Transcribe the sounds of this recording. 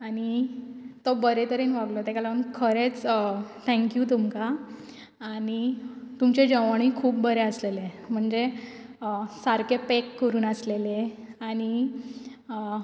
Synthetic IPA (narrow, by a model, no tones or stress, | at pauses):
aɽ̃it̪obəɾet̪əɾenʋaɡlot̪ekalaənkʰəɾet͡st̪ʰɛ̃ŋkjuːt̪umka | aːnit̪umt͡ɕed͡ʑəʋaɽ̃ikʰuːp̚bəɾeəslelem̤əɳd͡ze | saɾkepekːəɾuːnəsleleaɽ̃i